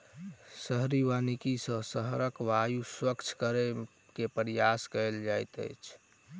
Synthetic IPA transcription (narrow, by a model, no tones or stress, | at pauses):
səɦɾiʋanikisə̃səɦɾəkʋajuswəkt͡ʃʰkəɾe | kepɾijaskəld͡ʒajt̪ə̰jt͡ʃʰ